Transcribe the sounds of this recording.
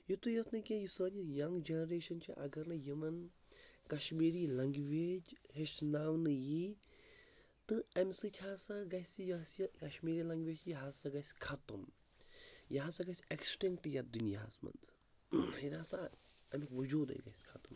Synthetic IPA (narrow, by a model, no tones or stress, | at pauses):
jut̪ujɐt̪ʰnɐkʲejisənʲijɐŋɡd͡ʒenɾeːʃɐnt͡ʃʰiʔɐ̰ɡɐɾnɨjɐmɐnkɐʃmiːɾilɐŋɡʋeːd͡ʒɦeʃnaːʋnɨji | t̪ɨɐmʲsɨt̪ʲʰaːsɐɡɐsʲijɐskɐʃmiːɾilɐŋɡʋeːd͡ʒjɐɦasɐɡɐsʲkʰɐt̪um | jɐɦasɐɡɐsʲeksʈiŋk̚ʈjɐd̪unjɐ̰ɦa̰smɐ̰nt͡sʰ | heɾaːsaɐmʲikʋud͡ʒuːd̪ɐ̰jɡɐ̰sʲkʰɐt̪um